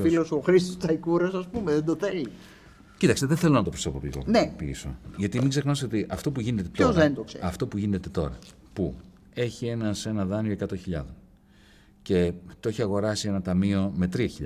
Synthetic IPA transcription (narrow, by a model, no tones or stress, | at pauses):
filosoxɾist̪ost̪ɐikuɾɐsɐspumeðend̪oθeli | cit̪ɐkse̞ðeθe̞lonɐt̪o̞pɾoso̞po̰plḭɣo̰nepḭso̰ʝɐt̪imikse̞xnɐsiot̪iʔɐft̪o̞puʝine̞t̪et̪oozðend̪oksḛɐft̪o̞puʝine̞t̪e̞t̪o̞̰ɾɐ̰ | pu | e̞çie̞nɐse̞nɐðɐnioe̞kɐt̪õ̞çiʎɐ̰ðon | ce̞t̪oeçiɐɣo̞ɾɐsie̞nɐt̪ɐmio̞me̞t̪ɾiɐçiʎ̰